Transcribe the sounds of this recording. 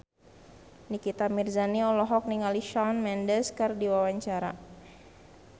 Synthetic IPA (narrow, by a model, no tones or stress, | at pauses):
nikit̪amirzaniɔlɔɦɔk̚niŋaliʃanmɛndəskərdiwawaɲt͡ʃaɾa̰